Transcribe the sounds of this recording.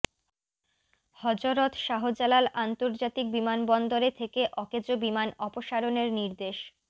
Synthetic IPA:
hɔd͡ʑoɾot̪ʃaɦod͡ʑalalant̪oɾd͡ʑat̪ik̚bimanbɔnd̪oɾet̪ʰekeʔɔked͡ʑobimanɔpoʃaɾoneɾniɾd̪eʃ

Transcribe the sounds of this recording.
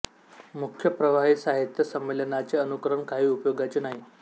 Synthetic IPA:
mukʰjəpɾəʋaɦisaɦit̪jəsəmːelənat͡seənukɾəɳkaɦiːupjoɡat͡ɕenaɦi

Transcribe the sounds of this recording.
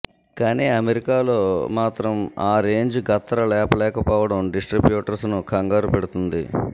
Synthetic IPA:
kaːniːɐmeɾikaːlo̞ːmaːt̪ɾɐmaːɾeːɲd͡ʒuɡɐt̪ːɐɾɐlɛːpɐlɛːkɐpɔːʋɐɽɐmɖisʈɾibjuːʈɐɾsnukʰɐŋɡaːɾupeɽut̪und̪i

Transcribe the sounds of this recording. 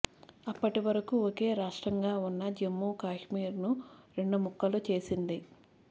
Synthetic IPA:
ɐpːɐʈiʋɐɾɐkuoke̞ːɾaːʂʈɾɐŋɡaːunːɐd͡ʒemːuːkaːʂmiːɾnuɾe̞ɳɖumukːɐlut͡ʃe̞ːsind̪i

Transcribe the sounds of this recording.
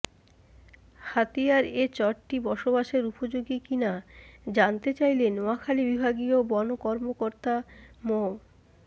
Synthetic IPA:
hat̪ijaɾet͡ɕɔɾʈibɔʃobaʃeɾupod͡ʑoɡikinad͡ʑant̪et͡ɕajlenoakʰalibibʱaɡiobɔnokɔɾmokoɾt̪amo

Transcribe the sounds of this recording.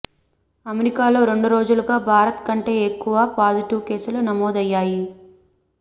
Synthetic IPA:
ɐmeɾikaːlo̞ːɾe̞ɳɖuɾo̞ːd͡ʒuluɡaːbʱaːɾɐt̪kɐɳʈe̞ːekːuʋaːpaːziʈiʋke̞ːsulɐnɐmoːd̪ɐjːaːji

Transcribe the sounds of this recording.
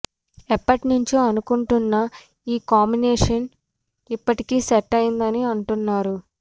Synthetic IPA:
ɛpːɐʈinuɲt͡ʃiɐnukuɳʈunːɐ | iːkaːmbineːʂɐn | ipːɐʈikiːsɛʈːɐjind̪ɐniɐɳʈunːaːɾu

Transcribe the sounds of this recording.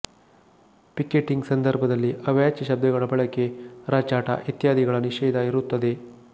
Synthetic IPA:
pikeʈːiŋɡsɐnd̪ɐɾbʱɐd̪ɐlːiʔɐʋjaːt͡ʃːɐʃɐb̚d̪ɐɡɐɭɐbɐɭɐke̞ɾaːt͡ʃaːʈɐ̰ʔit̪jaːd̪iɡɐɭɐniʂɛːd̪ɐiɾut̪ːɐd̪e̞

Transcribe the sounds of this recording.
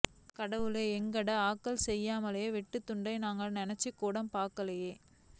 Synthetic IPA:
kɐɽɐʋɯleːɛŋɡɐɽɐaːkːɐlsɛjːaːmɐleːʋɪʈːɯt̪ːʊɳɖɐɪnaːŋɡɐɭnɪnɛt͡ʃːɐkːuːɽɐmpaːɾkɐlɐjeː

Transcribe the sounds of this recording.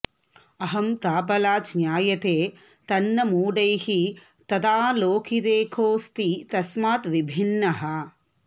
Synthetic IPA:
ɐɦɐmt̪aːp̬ɐlaːt͡ʃnjaːjɐt̪eː | t̪ɐnːɐmuːɖɐjhi | t̪ɐd̪aːloːkʰiɾeːkʰoːst̪it̪ɐsmaːt̪ʋibʱinːɐɦɐ̆

